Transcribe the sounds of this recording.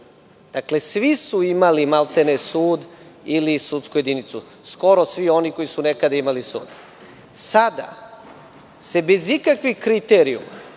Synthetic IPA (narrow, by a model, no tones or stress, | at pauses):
d̪̥akle̞sʋisuimalimalt̪enesuːd̪ilisut̪skuje̞d̪init̪su | sko̞ɾo̞sʋio̞niko̞jisunekad̪aimalisṵːd̪̥ | sad̪a̰ | se̞be̞zikakʋixkɾit̪eɾiṵma̰